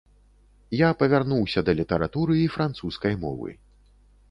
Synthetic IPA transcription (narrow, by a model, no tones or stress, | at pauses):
japɐvʲarnuwsʲɐd̪ɐlʲit̪ɐɾat̪uɾɨifɾant̪suskɐjmɔ̰vɨ̰